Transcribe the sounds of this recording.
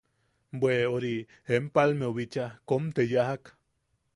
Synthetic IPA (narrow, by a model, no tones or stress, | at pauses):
bweoɾi | empalmeoβit͡ʃakomt̪ejaɦak